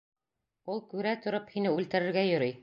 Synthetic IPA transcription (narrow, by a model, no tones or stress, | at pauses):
ulˠkʉɾæt̪ŏɾophinɘʉlt̪ɘ̆ɾɘ̆ɾɡæjɵ̆ɾɤj